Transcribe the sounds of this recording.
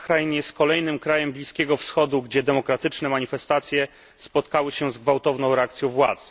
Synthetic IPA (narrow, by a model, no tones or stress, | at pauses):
xɾajinjɛst̪kɔlɛjnɘmkɾajɛmblʲiskʲɛɡɔfsxɔd̪uɡd͡ʑɛd̪ɛmɔkɾat̪ɘt͡ʂnɛmaɲifɛst̪at̪sʲjɛ | spɔt̪kawɘɕɛzɡvawt̪ɔvn̪ɔ̃w̃ɾɛakt̪sʲjɔ̃w̃vwa̰t̪s